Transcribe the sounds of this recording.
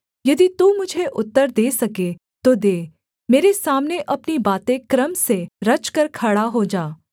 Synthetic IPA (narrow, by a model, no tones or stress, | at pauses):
jɐd̪it̪umʊd͡ʒʱeʔʊt̪ːəɾd̪eːsɐke | t̪od̪eː | meːɾesaːmneʔɐpnibaːt̪ẽkɾəmseɾɐt͡ʃkɐɾkʰɐɽaɦod͡ʒaː